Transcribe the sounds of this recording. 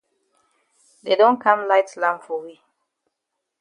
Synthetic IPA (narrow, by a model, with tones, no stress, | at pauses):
dedɔ̃˦nkʰãmlaɪtlã˦mfɔ˨ɹi˦